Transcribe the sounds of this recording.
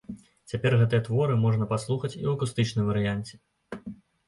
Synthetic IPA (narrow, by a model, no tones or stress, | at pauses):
t͡sʲapʲɛrɣɛt̪ɨjɐt̪vɔɾɨmɔʐnɐpaslˠuxɐt͡sʲḭwɐkust̪ɨt͡ʂnɨmvɐɾɨjanʲt͡sʲɛ̥